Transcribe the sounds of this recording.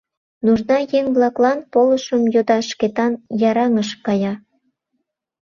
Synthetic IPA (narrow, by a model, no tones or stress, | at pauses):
nuʒnɑjeŋβlɑklɑnpoləʃəmjod̪ɑʃket̪ɑnjɑɾɑŋəʃkɑjɑ